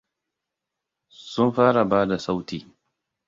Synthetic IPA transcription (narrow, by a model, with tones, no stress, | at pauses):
sʊ˦mɸaː˦ɽa˨baː˦da˨sa˦wtiː˨